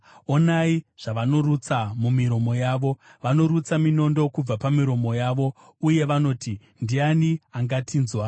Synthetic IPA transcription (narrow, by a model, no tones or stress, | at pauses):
o̞naiʐ̥aʋano̞rut͡samumiɾo̞mo̞jaːʋo̞ʋano̞ɾut͡samino̞ndo̞kub͡vapamiɾo̞mo̞jaːʋo̞ | uje̞ʋano̞ːti | ndianiaŋɡatʰiːnzwa